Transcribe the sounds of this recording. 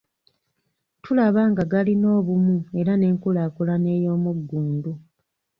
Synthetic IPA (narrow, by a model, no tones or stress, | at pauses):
tʰulaβaːŋɡaɡalino̞ːβumue̞ɾane̞ːŋkulaːkulane̞ːjo̞ːmuɡːuːndu